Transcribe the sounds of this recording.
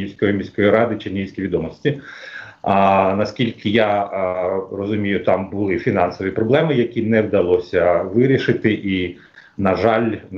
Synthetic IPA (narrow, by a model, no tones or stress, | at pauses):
iwʲsʲkɔjimʲisʲkɔjiɾɑd̪ɪt͡ʃɪnʲiwʲsʲkʲiʋʲid̪ɔmɔsʲtʲi | nɐskʲilʲkʰɪja | rɔzʊmʲijʊt̪ɑmbʊlˠɪfʲinɑnsɔʋipɾɔblˠɛmɪjɐkʲinɛwd̪ɐlˠɔsʲɐʋɪɾʲiʃɪt̪ɪʔi | nɐʒɑlʲn